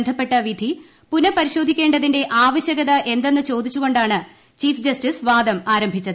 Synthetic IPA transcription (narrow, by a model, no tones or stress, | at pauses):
nd̪ʱɐpːe̞ʈːɐʋid̪ʱi | punɐpɐɾiɕo̞ːd̪ʱikʲːe̞ːɳɖɐðinde̞ʔaːʋɐɕjɐɣɐðɐʔe̞nd̪e̞nːɨt͡ɕo̞ːd̪it͡ɕːuɣo̞ɳɖaːɳɨ | t͡ɕiːfd͡ʑɐstisʋaːd̪ɐmaːɾɐmbʱit͡ɕːɐðɨ